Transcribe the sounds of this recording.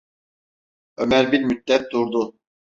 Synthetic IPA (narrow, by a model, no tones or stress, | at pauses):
ømæɾbiɾmyt̪̚ːɛt̪̚d̪uɾd̪u